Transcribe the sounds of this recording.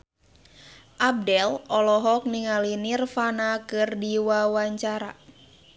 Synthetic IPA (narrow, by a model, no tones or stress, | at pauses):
ʔab̚dɛlɔlɔɦɔk̚niŋalinirfanakɨrdiwawaɲt͡ʃaɾa